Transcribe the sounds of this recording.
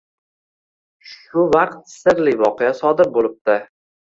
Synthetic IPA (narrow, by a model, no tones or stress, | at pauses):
ʃʊvaqt̪sɪɾlijvɒqejasɒd̪ɪɾ̚bolˠɪp̚t̪ɪ